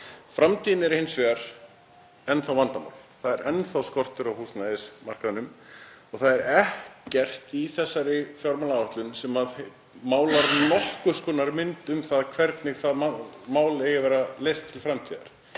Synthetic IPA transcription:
fɾamt̪ʰiːðnɪɛɾhejnsvɛːaɾ̥ | ɛnθawvant̪ama̰wl̥θaðɛɾɛnθawskɔr̥t̪ʏɾawhuːsnaðɪsmar̥kaðnʏmɔɣθaðɛɾɛhcɛr̥t̪iθɛsːaɾɪfjɔwɾmaːlaaht̪lʏnsɛmað | maːwlaɾnɔhkʏskɔːnaɾmɪnt̪ʏmθaðkʰvɛɾt̪nɪɣθaðmamaːwlejɪvɛɾaleːjst̪ʰːɪlfɾamt̪ʰiːða̰ɾ̥

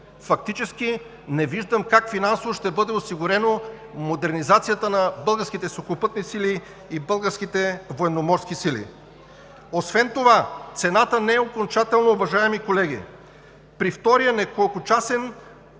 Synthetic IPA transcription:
fɐk̚t̪it͡ʃɛskʲi | nɛviʒd̪əmkakfinansovoʃt̪ɛbɤd̪ɛosiɡʊɾɛno | mod̪ɛɾnizat̪sijət̪ənɐbɤlˠɡəɾsk̟it̪ɛsokopɤt̪nisili | ibɤlˠɡəɾsk̟it̪ɛvoɛnomɔɾsk̟isilḭ | osvɛnt̪ovat̪sɛnat̪ənɛɛokont͡ʃat̪ɛlˠnoːvɐʒaɛmikolɛɡʲḭ | pɾift̪ɔɾijənɛkolˠkʊt͡ʃasɛn

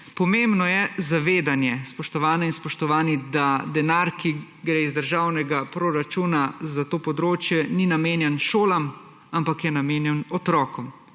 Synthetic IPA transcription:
pɔmeːmbnɔjɛzaʋeːd̪anjɛspɔʃt̪ɔʋaːnɔinspɔʃt̪ɔʋaːnid̪ad̪ɛnaɾki | ɡɾeːizd̪əɾʒaːwnɛɡapɾoɾat͡ʃuːnazat̪oːpɔd̪ɾoːt͡ʃjɛninameːnjɛnʃoːlam | ampakjɛnameːnjɛnɔt̪ɾɔːkɔm

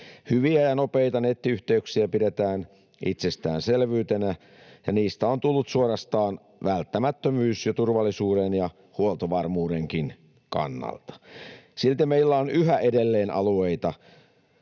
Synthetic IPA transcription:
hyʋiæjɑnopeijt̪ɑnet̪ːiyht̪eyksiæpiɾet̪æːn | ʔit̪sest̪æ̰ːnselʋyːt̪enæ | jɑniːst̪æont̪ulːut̪suorɑst̪ɑːn | ʋælt̪ːæmæt̪ːømyːsjot̪urʋɑlːisuːɾenjɑ | huolt̪oʋɑrmuːɾeŋkin | kɑ̰nːɑ̰lt̪ɑ̥silt̪emeilːæonyɦæʔedelːeːnʔɑ̰lueit̪ɑ

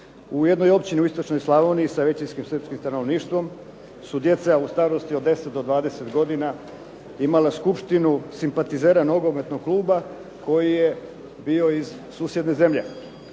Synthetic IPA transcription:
ujed̪no̞jo̞pt͡ɕiniuist̪ot͡ʃno̞jslˠaʋoniːsaʋe̞t͡ɕinskimsr̩pskimst̪ano̞ʋniːʃt̪ʋo̞m | sud̪je̞t̪saust̪aːɾost̪iod̪ːe̞set̪̚d̪o̞d̪ʋaːd̪e̞se̞t̪ɡo̞d̪ina | imalaskupʃt̪inusimpat̪izeɾanoɡo̞me̞t̪noɡ̚klˠuːba | ko̞jije | biːo̞iz | suːsje̞d̪ne̞ze̞mʎe̞

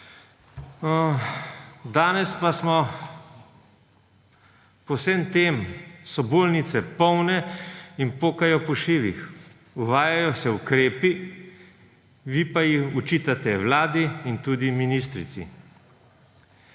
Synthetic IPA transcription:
d̪aːnɛspasmɔ | pɔwsemt̪eːmsɔbolnit̪sɛpɔwnɛinpoːkajɔpɔʃiːʋḭx | uʋaːjajɔsɛukɾeːpi | ʋipajixut͡ʃit̪at̪ɛwlaːd̪iːnt̪ud̪iminist̪ɾḭt̪sḭ

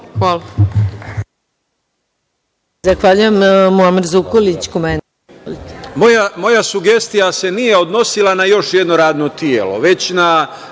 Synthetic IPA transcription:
xʋala | zaxʋaːʎujemmuamiɾzukolit͡ɕkomen | olit̪e̥mojamo̞jasuɡe̞st̪ijase̞nijeo̞d̪no̞silˠanajo̞ʃjed̪noɾaːd̪not̪ijeːlo̞̰ʋe̞t͡ɕna

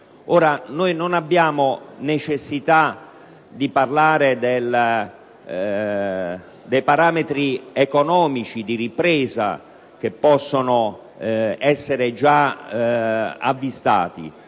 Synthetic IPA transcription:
oːɾanojnonabːjaːmonet͡ʃesːit̪a | d̪iparlaːɾed̪el | d̪ejpaɾaːmet̪ɾiekonɔːmit͡ʃid̪iripɾɛːza̰ | k̟epːɔsːono | ɛsːeɾed͡ʒa | a̰vːist̪a̰ːt̪ḭ

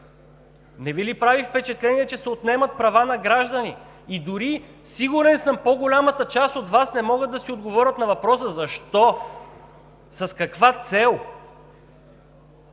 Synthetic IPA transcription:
nɛvilipɾavifpɛt͡ʃɛt̪lɛniɛt͡ʃɛsɛot̪nɛmət̪̚pɾɐvanɐɡɾaʒd̪əniː | d̪ʊɾi | siɡʊɾɛnsəmpoɡolʲamət̪ət͡ʃast̪ot̪vasnɛmɔɡət̪ːɐsiod̪ɡovɔɾʲət̪nɐvɐpɾɔsəzɐʃt̪ɔ | sɐskɐkvat̪sɛlˠ

